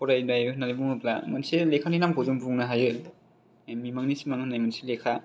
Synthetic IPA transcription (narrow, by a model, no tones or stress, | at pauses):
kɔɾajdajɾɯhnaɾibuŋɯpla̰manselekʰaninamkʰozumpʰuŋnaɦajɯ | mimaŋnisimaŋɯnajmanselekʰa